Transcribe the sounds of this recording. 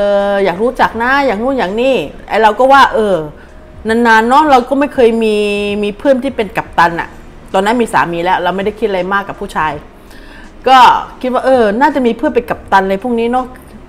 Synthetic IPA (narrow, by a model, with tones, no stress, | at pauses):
ʔɤː˧˩jaː˨˩k̚ɾuː˦˥t͡ɕa˨˩k̚na˦˥jaː˨˩k̚ŋuː˥˩˨jaː˨˩ŋniː˥˩la̰˧˩jɾa˧wkɔː˥˩waː˥˩ʔɤː˧ | na˧˩nːa˧nːɔ˦˥ɾa˧wkɔː˥˩ma˥˩jkʰɤː˧jmiː˧miː˧pʰɯ˥˩ənt̪ʰiː˥˩pe˧nka˨˩p̚t̪a˧nʔa̰˨˩ʔ | t̪ɔː˧nːa˦˥nmiː˧sa̰ː˩˦miː˧lɛː˦˥wɾa˧wma˥˩jda˥˩jʰkʰt̪ʔa˧a˧jmaː˥˩kːa˨˩pʰːuː˥˩t͡ɕʰaː˧j | kɔː˥˩kʰi˦˥t̪̚waː˥˩ʔɤː˧naː˥˩t͡ɕa˨˩ʔmiː˧pʰɯ˥˩ənpe˧nka˨˩p̚t̪a˧nlɤː˧jpʰu˥˩ŋniː˦˥nɔ˦˥